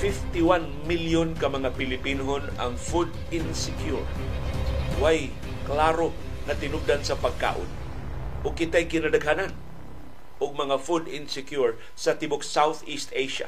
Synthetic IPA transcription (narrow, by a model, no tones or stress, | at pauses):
fɪft̪iwan | miljonkɐmɐŋapɪlɪpinoɦona̰ŋfud̪ | ɪnsɪkjuɹ | waj | klaɾo | nɐt̪ɪnʊɡ̚d̪ansɐpaɡ̚ka̰ːʔʊ̰n | ʔʊɡ̚kɪt̪aajkɪnad̪aɡɦanan | ʔʊɡ̚mɐŋafud̪ɪnsɪkjuɹ | sɐt̪ɪbʊksawθist̪ejʃa̰